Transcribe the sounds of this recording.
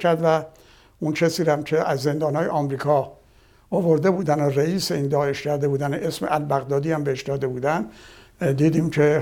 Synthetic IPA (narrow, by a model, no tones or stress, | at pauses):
kʰæɾd̪væ | uncʰesiːɾæmcʰe̞ʔæzːe̞nd̪ɒːnhɒːjeʔɒːmɾiːkʰɒː | ovoɾd̪e̞buːd̪ænoreiːseiːnd̪ɒːe̞ʃcʰæɾd̪e̞buːd̪æneʔesmeʔælbæɣd̪ɒːd̪iːæmbeeʃd̪ɒːd̪e̞buːd̪æn | d̪iːd̪iːmcʰe̞